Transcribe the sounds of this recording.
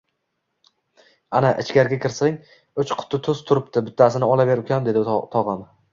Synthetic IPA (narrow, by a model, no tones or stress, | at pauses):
anaʔɪt͡ʃkʲaɾɡʲakʲʰɪɾsaŋ | ʊt͡ʃqʰʊ̥t̪ʰːɪt̪ʰɵzt̪ʰʊɾɪp̚t̪ɪbɪt̪ʰːasɪnɪɒlabe̞ɾʊkʲand̪e̞d̪ɪt̪ʰɒʁɑm